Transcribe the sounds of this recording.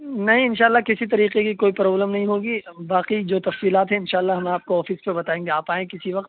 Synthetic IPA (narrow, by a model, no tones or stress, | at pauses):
nɐɦĩɪ̃nʃaːəlːakɪsit̪ɐɾiːqekikoːipɾɔːbləmnɐɦĩɦoːɡibaːqid͡ʒoːt̪ɐfsiːlaːt̪ɦɛ̃ɪ̃nʃaːəlːaɦɐmaːp̚koɔːfispebɐt̪aːẽːŋɡeaːpaːẽkɪsiʋɐqt̪